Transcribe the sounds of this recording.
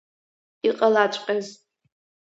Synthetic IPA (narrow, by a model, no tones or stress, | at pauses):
iqʼalat͡ʃʷʼqʲʼaz